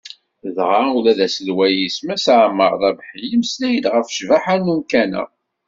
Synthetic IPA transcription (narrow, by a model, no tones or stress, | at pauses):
ðʁaulæðæsəlwæjismæsaʕmːəɾˤðˤɑbħəlːəmslæjəd̪ʁəfʃvaħanːumkænæ̰